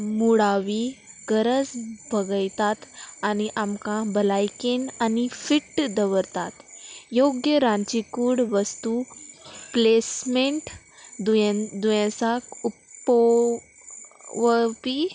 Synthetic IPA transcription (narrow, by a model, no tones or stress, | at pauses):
muɽaʋiɡəɾəd͡zbʱəɡəjt̪at̪aniʔamkãbəlajkenanifiʈːd̪əʋəɾt̪at̪joɡjəɾãɲt͡ɕikuːɽʋəst̪u | plesmeɳʈ | d̪ud̪ujãsakup | ʋəpi